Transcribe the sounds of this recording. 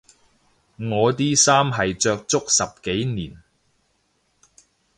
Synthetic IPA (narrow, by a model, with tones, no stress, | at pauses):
ŋɔː˨˧t̪iː˥saː˥mɦɐ˨jt͡ʃœː˧k̚t͡sʊ˥k̚sɐ˨p̚ke˨˥jniː˨˩n